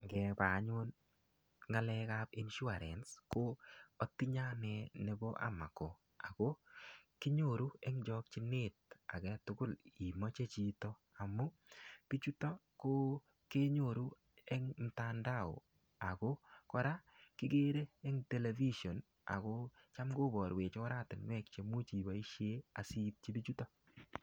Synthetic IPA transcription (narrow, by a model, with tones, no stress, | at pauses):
ɡɛ˨ba˨˦ɲo˦n | ŋa˦lɛ˦kapi˦nʃʊ˦a˨ɾɛ˨nsko˦o˨ti˦ɲa˦nɛ˨ne˨bo˦ʔa̰˦ma˨ko˨ | a˨ɡo˦kɪ˦ɲo˦˨ɾu˦ɛ˦ŋd͡ʒɔ˦k̚t͡ʃɪ˦nɪ˦t̚a̰˨ɡɛ˦tʊ˨ɡʊ˦˨li˨mo˦t͡ʃe˦t͡ʃi˦tɔ˦ | a˨mʊ˦ | b̥i˦t͡ʃu˦tɔ˦ko˦ | ke˦ɲo˨ɾu˦ | ɛ˦ŋn̩˨ta˦nda˦˨ʊ̰˨ | a˨ko˦kɔ˦ɾa˦kɪ˦ɡe˦ɾe˦ɛ˦ŋte˦le˨vi˦ʃɔ˨n | a̰˨ko˦t͡ʃa˦mɡo˦bɔ˨ɾwe˨t͡ʃɔ˦ɾa˦tɪ˨nwɛ˦k̚t͡ʃe˨mu˦t͡ʃi˨ba˨i˦ʃe˦a˨si˦p̚t͡ʃi˦bi˦t͡ʃu˦tɔ˦